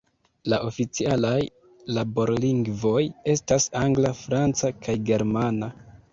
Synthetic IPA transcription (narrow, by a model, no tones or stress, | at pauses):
laʔo̞fit͡sialaj | labo̞ɾliŋɡvo̞je̞stasaŋɡlafɾant͡sakʰajɡe̞ɾmana